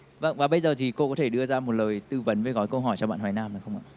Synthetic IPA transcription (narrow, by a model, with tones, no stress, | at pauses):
və˧˩ŋvaː˨˩ɓə˧jzəː˨˩t̪ʰi˨˩ko˧kɔ˨˦t̪ʰe˧˩ɗɨ˧əzaː˧mo˨˩t̚ləː˨˩jt̪ɨ˧və˨˦nve˨˩ɣɔ˨˦jkə˧wɦɔ˧˩jt͡ɕɔ˧ɓa̰ː˧˨nhwa˨˦jnaː˧mə˨˩xə˧wŋ͡mʔa̰ː˧˨